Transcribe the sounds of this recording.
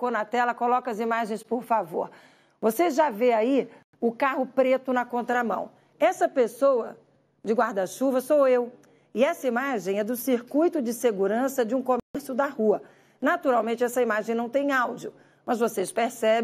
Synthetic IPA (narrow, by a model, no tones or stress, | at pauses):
konɐt̪ɛlɐkolɔkɐɐzimaʒẽj̃spoɾfavo̰ɾ | voseʒaveai | ʊkahʊpɾet̪ʊnɐkõnt̪ɾɐmɐ̰̃w̃ | ɛsɐpesowɐ | d͡ʒɪɡwaɾd̪ɐʃuvɐsowew | ɪɛsɐimaʒẽj̃ɛd̪ʊsiɾkujt̪ʊd͡ʒɪseɡuɾɐ̃sɐd͡ʒɪũkomɛsʊd̪ɐhuɐ | nat̪uɾawmẽnt͡ʃɪɛsɐimaʒẽj̃nɐ̃w̃t̪ẽj̃awd͡ʒiʊ | mɐzvosespeɾsɛb